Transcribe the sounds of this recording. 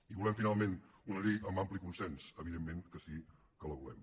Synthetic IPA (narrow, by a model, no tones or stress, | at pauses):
iβulɛmfinalˠmẽnunəðiəmbamplikunsɛnsəβiðemːeŋkəsi | kəlˠəβulɛ̰m